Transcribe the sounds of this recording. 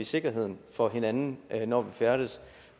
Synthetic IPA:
ise̝ɡ̥ɐɦe̝ð̞̰ˠn̩fɒ̽ɦe̝nænn̩nɒʋifæɐɾ̥əs

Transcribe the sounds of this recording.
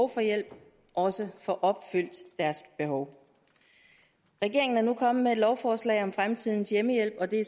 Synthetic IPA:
ʊfɒ̽jel̰b̥ | ʔɒ̽səfɒ̽ʔɒ̽b̥fyl̰d̥ːæɐsb̥e̝ɦɒʊ | ʁɛɡ̥e̝ɐeŋn̩æɐnukʰɒ̽m̰̩mee̝d̥lɒʊfɒːslɛ̰ɪɒ̽mfʁamt͡sʰið̞̰ˠn̩sjeməjel̰b̥ɒ̽d̥e̝

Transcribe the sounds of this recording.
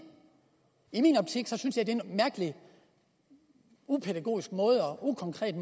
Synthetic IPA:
iminɒ̽b̥̚t͡sʰiɡ̥sɒ̽synsjɑd̥enmæɐɡ̥əli | upʰeð̥æɡ̥o̝̰ːisɡ̥mɔ̽ːð̞̩ˠɒ̽ʔukʰɒ̽ŋkʰʁɛ̰ːd̥m

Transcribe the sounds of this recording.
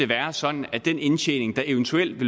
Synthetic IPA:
e̝ʋæːɐsɒ̽d̥n̩æd̥en̰e̝nɕʰḛːne̝ŋd̥ɑ̈e̝ʊnt͡sʰuel̰d̥ʋe̝l

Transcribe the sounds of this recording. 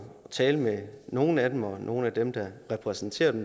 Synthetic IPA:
t͡sʰɛːləmeno̝ːn̩æd̥emɒ̽nʔo̝ːn̩æd̥emd̥ɑ̈ʁɛpʰʁɛsn̩t͡sʰe̝̰ːɐd̥em

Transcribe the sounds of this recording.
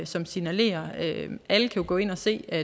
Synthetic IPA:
sɒ̽msinæle̝̰ːɐøæləkʰæjuɡ̥ɔ̰ːe̝nɒ̽se̝̰ːæ

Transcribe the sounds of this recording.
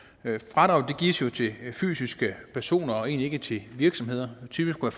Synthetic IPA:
fʁɑ̈d̥ʁɑ̈ʊd̥e̝ɡ̥ḭːsjo̝t͡sʰe̝fy̰ːsisɡ̥əpʰæɐso̝̰ːnɐɒe̝̰ːnlie̝ɡ̥ət͡sʰe̝ʋiɐɡ̥sɒ̽me̝ð̞̰ˠɐt͡sʰyb̥isɡkʰːuʋæɐf

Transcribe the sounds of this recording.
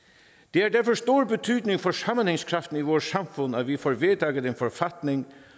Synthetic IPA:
d̪̥eːæːɖæɾfɔʂt̪uːɹbət̪ʰyːd̪nɪŋfɔʂɑmənhɪŋskʰɾɑft̪n̩iːʋoːɾsɑmfʊnːɑt̪ʋɪfoːɾʋeːt̪ʰɑːɡəd̪enfɔɾfɑt̪nɪŋ

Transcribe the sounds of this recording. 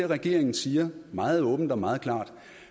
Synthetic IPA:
ʁɛɡ̥e̝ɐe̝ŋn̩siːɐmɑ̈ːð̞̩ˠɔ̽ːb̥n̩d̥ɒmɑ̈ːð̞̩ˠkʰlɑ̈ːd̥

